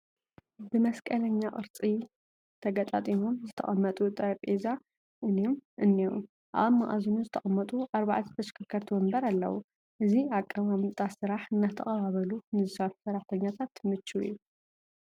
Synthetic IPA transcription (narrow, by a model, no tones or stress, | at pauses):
bɨmɐskʼɐlɐɲːaʔʼɨɾt͡sʼi | t̪ʰɐɡɐt̪ʼa̰t̪ʼimomzɨt̪ʰɐ̰χʼɐmːɐt̪ʼut̪ʼɐɾɐpʼeza | ʔɨniomʔɨnːiwṵ | ʔa̰βɐmːa̰ʔa̰zunuzɨt̪ʰɐχʼɐmːɐt̪ʼuʔaɾβaʕat̪ʰɨ̥t̪ʰɐʃkʰakʰːɐɾt̪ʰumɨmbɐɾalːɐ̰wu | ʔɨziakʼːamamɨt̪ʼasɨɾaħɨnːat̪ʰɐxʼɐβaβɐlunɨzɨsɐɾħu̥sɐɾaħt̪ʰɐɲːat̪ʰat̪mɨt͡ʃːuḭjːu